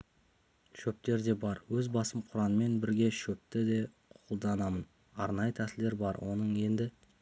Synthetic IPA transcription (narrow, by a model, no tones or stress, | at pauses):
ʃɵp̚t̪e̞ɾd̪e̞bɑɾwɵzbɑsəmqʰʊɾɑnəme̞nbɪɾɡʲe̞ʃɵp̚t̪ɪd̪e̞ | qʰolˠd̪ɑnɑmən | ɑɾnɑjət̪ʰæsɪld̪e̞ɾbɑɾwʔo̞nəɴe̞nd̪ɪ